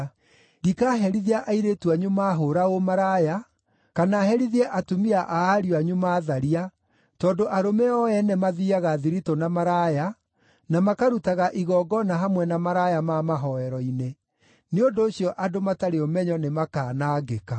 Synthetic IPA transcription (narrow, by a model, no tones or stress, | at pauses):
dikaɦɛɾiðiaʔaiɾetuaɲumaːɦoɾaomaɾaja | kanaːhɛɾiðiɛʔatumiaʔaaɾiwaɲumaːðaɾia | tɔːndoʔaɾomɛɔɛnɛmaðiaɣaðiɾitonamaɾaja | namakaɾutaɣaʔiɣɔɡɔnaɦamwɛnamaɾajamamaɦɔɛɾɔine | neondoːɕjɔʔadomataɾeɔmɛɲɔnemakaːnaːɡeka